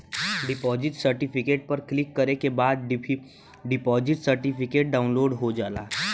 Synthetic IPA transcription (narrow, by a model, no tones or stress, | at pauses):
ɖɪpɔːzɪʈsɐɾʈɪpʰɪkeːʈ̚pɐɾklɪkːɐɾekebaːd̪̚ | ɖɪpɔːzɪʈsəɾʈɪpʰɪkeːʈ̚ɖaːʊ̃nloːɖɦod͡ʒaːlaː